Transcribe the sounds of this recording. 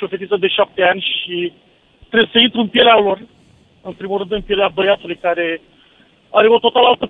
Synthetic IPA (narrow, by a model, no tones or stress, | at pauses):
ofeit̪əd̪e̞ʃap̚t̪e̞anʲʃi | t̪ɾebjsəint̪ɾuɨnpje̞lealo̞r | ɨnpɾimulrɨnd̪ɨnpie̞leabəjat̪ulujkaɾe̞ | aɾe̞o̞t̪o̞t̪alalt̪ə